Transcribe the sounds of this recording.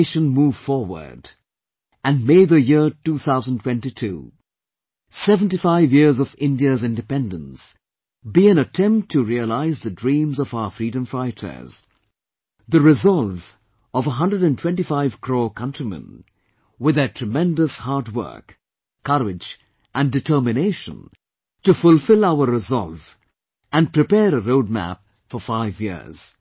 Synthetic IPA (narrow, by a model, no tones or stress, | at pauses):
ʃə̃nmuːv̥fɔɹwə̰˞d | ɨ̃nmeɪðəjɪɹtuːθaʊzə̃n̩tʰw̥ɛ̃ntitʰṵ | ɛṽntifaɪvjɪɹzʌvɪ̃ndiəzɪ̃ndɨpɛ̃ndə̃ns | biɨ̃nətʰɛ̃mptʰːɨɹiəlaɪzðɨdɹĩmzʌvaʊəfɹiːɾə̃mfɹaɪtʰə̰˞z̥ | ðɨɹɪzɔlˠv | ʌvəɦʌ̃ndɹəɾɨ̃ntʰwɛ̃ntifaɪv̥kʰɹ̥oːkʰʌ̃ntʰɹ̥imə̰̃n | wɪðɨtʰɹ̥ɨmɛ̃ndəshɑɹt̚wɜ̰˞k | kʰːʌɹɪd͡ʒ | ʔɨ̃ndɨtʰɜ˞mɨneɪʃə̰̃n | tɨfʊlˠfɪlˠaʊəɹɪzɔ̰lˠv | ʔɨ̃npʰɹ̥ɨpɛːɾəɾoʊd̚mæ̰p̚ | fɔfaɪvjɪ̰ɹz̥